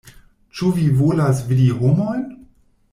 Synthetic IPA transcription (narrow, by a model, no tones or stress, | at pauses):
t͡ʃuvivolasvidiɦomojn